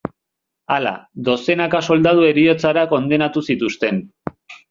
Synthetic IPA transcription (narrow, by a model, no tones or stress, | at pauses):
ala̰d̪o̞se̞nakaso̞ld̪að̞ue̞ɾio̞t͡saɾako̞nd̪e̞nat̪usit̪ust̪e̞n